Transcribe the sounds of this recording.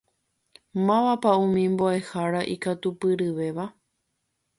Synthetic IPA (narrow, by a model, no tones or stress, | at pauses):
mãʋapaũmĩmbo̞e̞haɾaʔikat̪upɨɾɨʋe̞ʋa